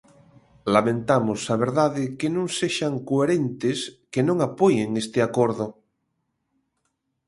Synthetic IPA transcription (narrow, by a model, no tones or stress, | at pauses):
lamẽnt̪amosaβ̞eɾðaðekenõŋseʃaŋkoeɾent̪eskenõŋapojeŋest̪eakoɾðo